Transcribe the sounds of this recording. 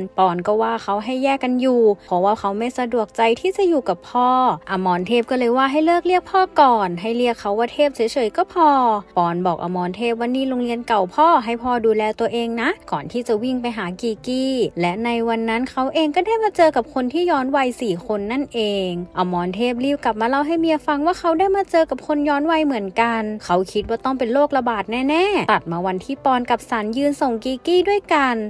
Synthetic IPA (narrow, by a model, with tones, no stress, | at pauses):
pɔː˨˩nkɔː˧˩waː˧˩xʰa˦˥wɦa˥˩jːɛː˥˩kːa˧njuː˨˩pʰɔ˧˦waː˧˩kʰa˦˥wma˥˩jsa˧du˨˩ək̚t͡ɕa˧jt̪ʰiː˥˩t͡ɕa˧˩juː˨˩ka˨˩pʰːɔː˥˩ʔa˧mɔː˧nt̪ʰeː˥˩p̚kɔ˥˩lɤː˧jwaː˧˩ɦa˥˩jlɤ˥˩k̚li˥˩ək̚pʰɔː˧˥˩kɔː˨˩nɦa˥˩jli˥˩əkʰːa˦˥waː˧˥˩t̪ʰeː˥˩p̚si˩˦t͡ɕʰɤː˨˦jkɔː˥˩pʰɔː˧pɔː˨˩nbɔː˨˩k̚ʔa̰˨˧˩mɔː˧nt̪ʰeː˥˩p̚waː˧˥˩niː˥˩loː˧ŋli˧ənka˨˩wpʰɔː˧˥˩ɦa˥˩jpʰɔː˧˩duː˧lɛː˧t̪u˧əʔeː˧ŋna˦˥ʔkɔː˨˩nt̪ʰiː˥˩t͡ɕa˨˩wi˥˩ŋpa˧jɦaː˨˦kiː˨˩kiː˧˩lɛ˦˥ʔna˧jwa˧nːa˦˥˨nkʰa˦˥wʔeː˧ŋkɔː˥˩daː˥˩jmaː˧t͡ɕɤː˧ka˨˩p̚kʰo˧nt̪ʰiː˥˩jɔː˧˥nwa˧jsiː˨˩kʰo˧nːa˥˩nʔeː˧ŋʔa˧˩mɔː˧nt̪ʰeː˥˩p̚liː˥˩w̚ka˨˩p̚maː˧la˧˩wɦa˥˩jmiː˧˥ʔa˧fa˧ŋwaː˥˩kʰa˦˥wdaː˥˩jmaː˧t͡ɕɤː˧ka˨˩p̚kʰo˧njɔː˦˥nwa˧jmɯ˩˦ənka˧nkʰa˦˥wkʰi˧˦˥waː˧˥˩t̪ɔ˥˩ŋpe˨nloː˥˩k̚la˧baː˨˩t̪̚nɛː˥˩nɛː˧˥˩t̪a˨˩t̪̚maː˧wa˧nt̪ʰiː˧˥˩pɔː˧nka˨˩p̚sa˨˦njɯː˧nso˨˩ŋkiː˧kiː˥˩du˥˩əjka˧n